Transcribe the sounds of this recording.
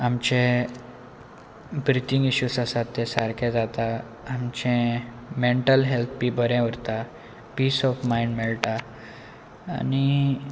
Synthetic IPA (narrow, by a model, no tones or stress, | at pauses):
amt͡ɕẽ | bɾit̪iŋɡiɕusasat̪ːɛsaɾkʰɛd͡zat̪aː | mt͡ɕɛ̃ | meɳʈəlɦelt̪ʰpibəɾɛ̃ʋəɾt̪a | piːsɔfmaiɳɖmɛɭt̪a | a̰ni